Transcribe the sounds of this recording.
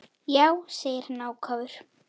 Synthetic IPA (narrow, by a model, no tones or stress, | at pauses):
jaːwseːjɪɾnaːwkʰaːvʏɾ̥